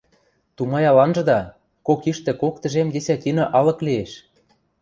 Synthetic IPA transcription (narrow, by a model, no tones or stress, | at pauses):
t̪umɑjɑlɑnʒɤ̆d̪ɑ | kokiʃt̪ĕkokt̪ə̆ʒemd̪esæt̪ʲinɤ̆ʔɑlɤ̆klieʃ